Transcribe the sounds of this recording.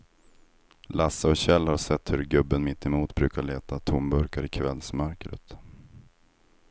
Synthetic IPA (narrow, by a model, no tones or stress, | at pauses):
lasːəɔɕɛlːhaɾʂɛt̪ːhɵɾɡɵbːənmɪt̪ːɛmuːt̪bɾʉ̟ːkaɭeːt̪at̪ʰʊmbɵɾkaɾɪkʰvɛlsmœɾkɾə̰t̪